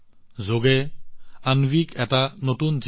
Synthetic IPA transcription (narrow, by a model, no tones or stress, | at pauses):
zoɡɛ | anwikɛtanotund͡ʒ